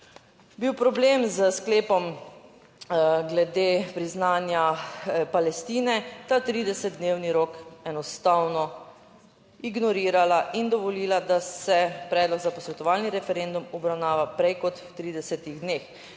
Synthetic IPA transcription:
biwpɾɔbleːmzəskleːpɔm | ɡlɛd̪epɾiznaːnjapalɛst̪iːnɛt̪at̪ɾiːd̪ɛsɛt̪̚d̪neːwniɾoːkɛnɔst̪awnɔ | iɡnɔɾiːɾalaʔind̪ɔʋɔliːlad̪asɛpɾɛːd̪lɔɡzapɔsʋɛt̪ɔʋaːlniɾɛfɛɾend̪umɔbɾawnaːʋapɾɛjkɔt̪wt̪ɾiːd̪ɛsɛt̪iɣd̪neːx

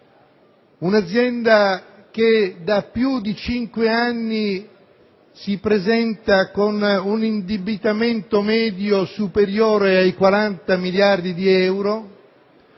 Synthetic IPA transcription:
unad̪zːjɛnd̪a | k̟ed̪apːjud̪it͡ʃiŋkweanːi | sipɾezɛnt̪akonunind̪ibit̪ament̪omɛːd̪josupeɾjoːɾeajkwaɾant̪amiljard̪id̪iɛwɾo

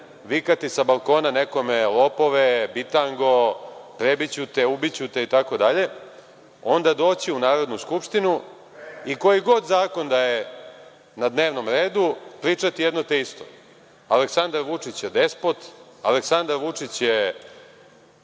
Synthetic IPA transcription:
ʋikat̪isabalˠko̞ːnane̞ko̞melopo̞ʋebit̪aŋɡo̞pɾebit͡ɕut̪eubit͡ɕut̪eit̪ako̞d̪aʎe̞ | o̞nd̪ad̪o̞ːt͡ɕiunaːɾo̞d̪nuskupʂt̪inu | iko̞jiɡo̞d̪zaːko̞nd̪aje | nad̪ne̞ːʋno̞mɾe̞ːd̪upɾiːt͡ʂat̪ijed̪not̪eist̪o̰ | aleksand̪aɾʋut͡ʂit͡ɕjed̪espot̪aleksand̪aɾʋut͡ʂit͡ɕje

